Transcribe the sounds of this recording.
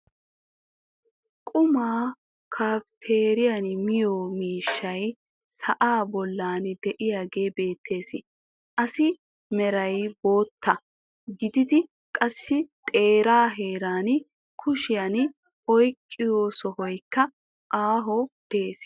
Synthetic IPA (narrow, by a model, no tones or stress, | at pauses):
kʼʊmaː | kʰaːft̪ʰeːɾɪjanmɪjoːmiːʃːɐj | sɐʔaːbɔlːaːnd̪ɛʔɪjaːɡe̞ːbe̞ːt̪ʰːe̞ːsɪ | ʔɐsɪ | mɛɾɐjbo̞ːt̪ːɐ | ɡɪd̪ɪd̪ɪ | kʼɐsːɪt̪ʼe̞ːɾaːɦe̞ːɾaːn | kʰʊʃɪjan | ɔjkʼːɪjoːsɔhɔjkːɐ | ʔaːɦɔd̪̥e̞ːs